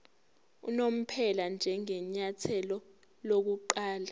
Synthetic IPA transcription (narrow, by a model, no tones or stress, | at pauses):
ṵnom̩pʰɛland͡ʒʱɛŋɛɲatʰɛlɔ | lok̬uǃaːla